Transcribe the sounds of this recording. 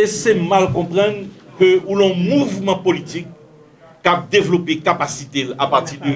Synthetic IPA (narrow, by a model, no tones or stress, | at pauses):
esɛmalkɔ̃pʁɑ̃n | køulɔ̃muvmɑ̃polit̪ikː | ap̚d̪evlopekapasit̪elapaʁt̪id̪ə